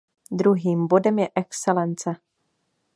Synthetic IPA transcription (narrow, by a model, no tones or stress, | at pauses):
d̪ɾuɦiːmbodɛmjɛʔɛksɛlɛnt͡sɛ